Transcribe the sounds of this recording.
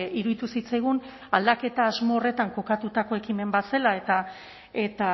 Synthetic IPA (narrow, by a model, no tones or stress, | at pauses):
iɾuðit̪usit͡sajɣ̞un | ald̪ake̞t̪aːzmo̞ːre̞t̪aŋko̞kat̪ut̪ako̞e̞kime̞mbase̞lae̞t̪a | e̞t̪a